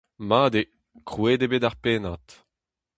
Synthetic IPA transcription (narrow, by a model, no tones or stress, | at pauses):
maːd̪e | kχweːdebeːdaʁpeːnat̪